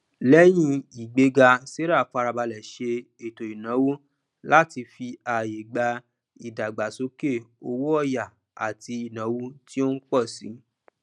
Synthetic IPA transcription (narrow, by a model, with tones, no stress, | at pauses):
lɛ˦j̃ĩ˦i˨ɡ͡be˨˦ɡa˧se˦ɾa˦˨fa˧ɾa˧ba˧lɛ˨ʃe˧ | e˨to˨i˨nã˨˦wu˦ | la˦ti˧fi˧a˨je˨ɡ͡ba˧ | i˨da˨ɡ͡ba˨so˨˦ke˦˨o˧wo˦ɔ˦˨ja˨ | a̰˨ti˧i˨nã˨˦wu˦ti˦o˦n̩˦k͡pɔ˦˨si˨˦